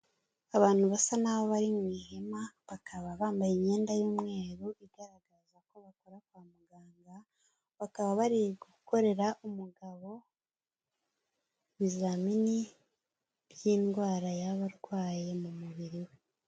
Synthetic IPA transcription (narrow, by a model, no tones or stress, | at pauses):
aβaːn̥huβasanaβoβaɾimŋiːhe̞maβakʰaβaβaːmbajiɲe̞ːndajuːmŋe̞ːɾuʔiɡaɾaɡazako̞βako̞ɾakwaːmuɡaːŋɡa | βakaβaβaɾiɡuko̞ɾe̞ɾaʔumuɡaβo̞ | βizamini | βjiːnɡwaːɾajaβaɾɡwaːje̞mumuβiɾiwe̞